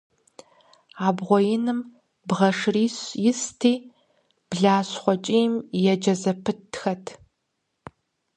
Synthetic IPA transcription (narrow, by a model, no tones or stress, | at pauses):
aːbʁʷɔjɪnɨm | bʁɐʂriːɕjɪstʰiː | b̥ɮaːɕχʷɔt͡ʃʼiːmjɛd͡ʒɐzɐpʰɨtʰxɐtʰ